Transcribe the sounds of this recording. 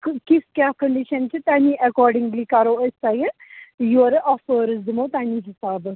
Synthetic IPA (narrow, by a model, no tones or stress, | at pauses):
kkiskʲjaːkəɳɖiʃɐnt͡ʃʰit̪aːniʔɐkɔːɾɖiŋɡlikɐɾoəsajəjoɾʔɔfəːɾɨzd̪ɨmoːt̪aːniɦisaːbɨ